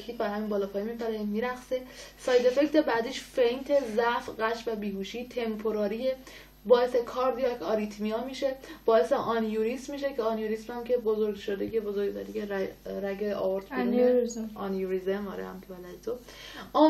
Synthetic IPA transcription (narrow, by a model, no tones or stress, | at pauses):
kʰiːt̪̚bæɾhæmiːnbɒːlɒːpʰɒːjimipæɾemiɾæχse̞sɒːjd̪e̞fekt̪ʰebæd̪iːʃfejnt̪ʰezæfɢæʃvæbiːɦuːʃiːt̪ʰe̞mpʰoɾɒːɾie | bɒːe̞sekʰɒːɾd̪ijɒkɒːɾit̪ʰmiɒːmiʃe̞b̥ɒːe̞seʔɒnjuɾismiʃe̞cʰeɒnjuɾismhæmcʰe̞bozo̞ɾɡʃod̪eɟebozoɡt̪ʰæɾiceɾɾæɡeʔɒoɾt̪ʰbe | ɒnjuɾizemɒ̰ːɾḛhæ̰mcʰebælæd̪et̪ʰo | ɒ